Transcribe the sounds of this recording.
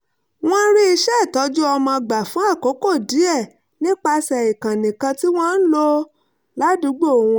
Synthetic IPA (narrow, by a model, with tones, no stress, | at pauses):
w̃ɔ̃˦ɾi˦i˧ʃɛ˦˨tɔ˨˦d͡ʒu˦ɔ˧mã˧ɡ͡ba˨fũ˨˦a˦˨ko˨˦ko˦˨di˨˦ɛ˦˨ | nĩ˦k͡pa˧sɛ˨i˨kã˨nĩ˨kã˧ti˦w̃ɔ̃˦n̩˦lo˧ | la˨˦du˨˧˦ɡ͡bo˦˨wũ˧